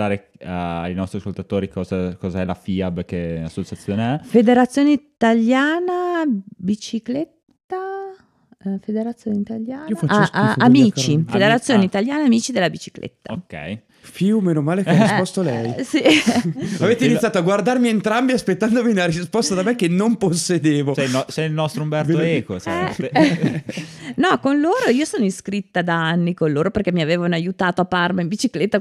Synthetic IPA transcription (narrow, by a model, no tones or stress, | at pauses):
aːɾe | a̰a̰jnɔst̪ɾiaskolt̪at̪oːɾikɔːzakɔzaɛlafiabkea̰sːot͡ʃat̪sːjoːneɛfed̪eɾat̪sːjoːneit̪aljaːnabit͡ʃiklet̪ːa | fed̪eɾat̪sːjoːneit̪aljaːnafaamiːt͡ʃifed̪eɾat̪sːjoːneit̪aljaːnaamiːt͡ʃid̪elːabit͡ʃi̥klʔḛt̪ːaokːɛ̰j | puomenomaːlekaspɔst̪olɛjsi | aveːt̪einit̪ːjaːt̪oaɡward̪armient̪ɾambiaspet̪ːand̪ominelaɾispɔst̪ad̪amekenːomposːed̪eːvosɛilnɔst̪ɾoumbɛveoeko̰ɛ | nɔkonloːɾoiːosoːnoiskɾit̪ːad̪aanːikonloːɾoperkɛmiaveːvanajut̪aːt̪oapːarmaimbit͡ʃiklet̪ːa